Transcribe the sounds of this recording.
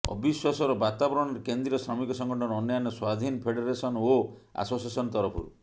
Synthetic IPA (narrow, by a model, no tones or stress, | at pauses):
ɔ̰biswasɔɾɔbat̪abɔɾɔɳɔɾekend̪ɾiɔsɾɔmikɔsɔŋɡʱɔʈʰɔnɾɔnjanɔswad̪ʱinɔpʰeɽeɾesɔnoa̰sosiasɔnɔt̪ɔɾɔpʰɔ̰ɾṵ